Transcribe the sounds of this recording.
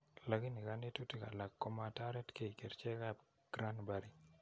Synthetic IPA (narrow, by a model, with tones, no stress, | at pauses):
la˨ɡi˦ni˨ka˦ne˦tu˦ti˦ka˨la˨kːo˦ma˨ta˦ɾɛ˦tke˦i˨ke˨ɾt͡ʃɛ˦ka˦b | ɡ̥ɾa˦nba˨ɾi˦